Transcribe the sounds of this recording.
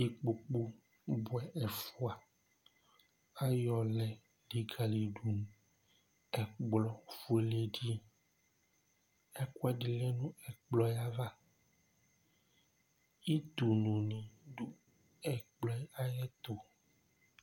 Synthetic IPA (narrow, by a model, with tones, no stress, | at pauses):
i˨k͡po˨k͡pu˦ | bwɛ˨ʔɛ˨fu˦a˨ | a˦jɔ˨lɛ˨ | li˨ɡa˨li˨ɖu˨ñ˨ | ɛ˨ɡ͡blɔ˦fu˦e˨le˦ɖi˦ | ɛ˦kwɛ˦ɖi˨le˦nũ˦ɛ˨k͡plɔ˦jɛ˦a˦va˦ | i˦t̪u˨nũ˨nĩ˨ɖu˦ | ɛ˨k͡plɔ˦ɛ˦a˦jɛ˦t̪o˨